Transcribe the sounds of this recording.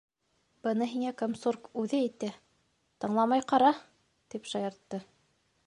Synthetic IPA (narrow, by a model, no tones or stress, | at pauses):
b̥ɤ̆nɤɦiŋækomsurkʉðɘæjt̪æ | t̪ɤ̆ɴlˠɑmɑjqɑɾɑ | t̪ipʃɑjɤ̆ɾt̪ːɤ